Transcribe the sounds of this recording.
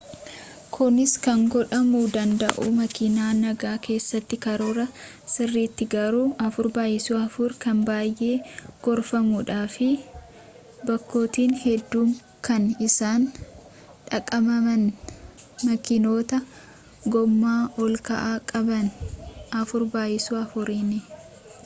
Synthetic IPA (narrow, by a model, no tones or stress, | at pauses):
kʰʊnɪskɐŋɡɔᶑɐmuːd̪ɐnd̪ɐ̰ʔʊ̰mɐkɪnaːnɐɡaːke̞ːsːɐt̪ːɪkɐɾoːɾɐ | sɪrːiːt̪ːɪɡɐɾuːʔɐfʊɾbaːjɪsuːɐfʊɾkɐnbaːjʔe̞ːɡ̥ɔɾfɐmuᶑaːfɪ | bɐkːo̞ːt̪iːnhɛd̪ːuːm | kɐnɪsaːn | ᶑɐkʼːɐmɐmɐn | mɐkɪno̞ːt̪ɐ | ɡɔmːaːɔlkɐ̰ʔaːkʼɐbɐnɐfʊɾbaːjɪsuːɐfʊɾinɪ